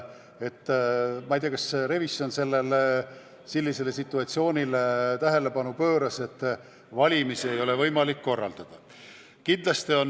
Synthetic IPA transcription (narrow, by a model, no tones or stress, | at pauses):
e̞t̪ːmɑijt̪ijɑkɑsɾe̞visjo̞nse̞lːe̞le | silːise̞le̞sit̪ːˑuɑt̪sio̞ːnʲilet̪æɦe̞le̞pɑnupøːɾɑse̞t̪ːˑ | vɑlʲimisie̞jo̞le̞vɤjmɑlikːo̞rːɑ̰ld̪̥ɑd̪̥ɑ | kind̪̥lɑst̪io̞n